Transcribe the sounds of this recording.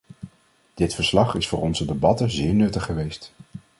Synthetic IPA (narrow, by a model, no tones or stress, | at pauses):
d̥ɪtfəɹslɑχɪsfʊ̰ːɹɔnzədebɑtəzɪːɹnɵtəχːəʋejst